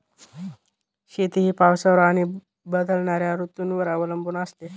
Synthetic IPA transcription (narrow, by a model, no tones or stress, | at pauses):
ɕet̪iɦiːpaʋsəʋɾaɽ̃i | bəd̪əlɳaɾjaɾut̪uːnʋəɾaʋələmbuːnast̪e